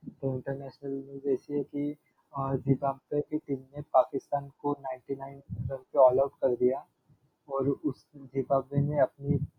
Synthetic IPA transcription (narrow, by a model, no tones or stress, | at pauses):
t̪oɪ̃ɳʈəɾnɛːʃnəlnjuːzɛːsiɦɛki | d͡ʒiːbaːbekitiːmnepaːkɪst̪aːnkonaːɪ̃ɳʈinaːɪnɾɐ̃npeɔːlaʊʈkɐɾd̪ija | ɔːɾʊsd͡ʒipaːbeneɐpni